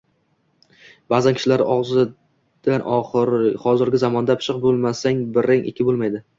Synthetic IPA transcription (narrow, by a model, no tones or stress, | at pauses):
baːzankʰʲɪ̥ʃɪlaɾɪʔɒʁzɪ | d̪̥anʔɒχɾχɒzɪɾɡʲɪzamɒnd̪apʰɪ̥ʃɨqbolˠmasaŋbɪɾaŋʔɪ̰kʲʰɪbolˠmajd̪ɪ